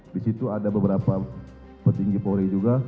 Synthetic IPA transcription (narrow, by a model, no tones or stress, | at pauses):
disit̪uadabəbəɾapa | pərt̪iŋɡipoɾed͡ʒuɡa